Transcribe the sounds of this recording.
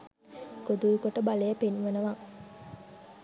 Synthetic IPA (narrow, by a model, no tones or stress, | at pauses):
ɡ̥od̪uɾukoʈəbalejəpenʋənəʋa